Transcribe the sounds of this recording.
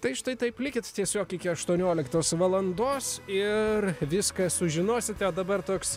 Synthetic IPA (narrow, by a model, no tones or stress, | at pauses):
t̪ɐɪʃt̪ɐɪt̪ɐɪplʲɪkʲɪt̪t̪ʲiɛsʲoːkɪkʲɪɐʃt̪uɔnʲoːlʲɪkt̪oːsʋɐlˠɐnd̪oːsɪrʋʲɪskɐsʊʒʲɪnoːsʲɪt̪ʲɛd̪ɐbɐrt̪oːks